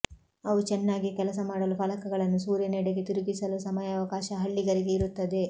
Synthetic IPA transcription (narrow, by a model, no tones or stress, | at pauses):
ɐʋut͡ʃɛnːaːɡikɛlɐs̬ɐmaːɽɐlupɐlɐkɐɡɐɭɐnːusuːɾjɐnɛɽeɡe̞t̪iɾuɡisɐlusɐmɐjɐːʋɐkaːʃɐɦɐɭːiɡɐɾiɡe̞iɾut̪ːɐd̪e̞